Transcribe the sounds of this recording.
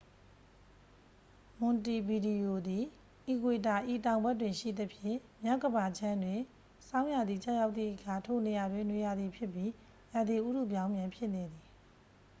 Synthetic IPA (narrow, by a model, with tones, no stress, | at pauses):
mʊ̃˨nti˨bi˨di˨jo˨d̪i˨ | ʔi˨ɡwe˨ta˨ʔi˨tã˨ʊ̃mbɛ˦tːwɪ̃˨nʃḭ˦˨d̪ə˦pʰjɪ̰̃˦˨ | mja˦˨ʔɡə˨ba˨d͡ʑã˦ndwɪ̃˨ | sã˦ʊ̃ja˨d̪ði˨t͡ɕa̰˦ja˦ʊt̪̚ðḭ˦˨ʔəkʰa˨tʰo˦˨ne˨ja˨dwɪ̃˨nwe˨ja˨d̪ði˨pʰjɪ˦pji˦ | ja˨d̪i˨ʔu˦ɾu˦˨bjã˦ʊ̃mjã˨mpʰjɪ˦ʔne˨d̪i˨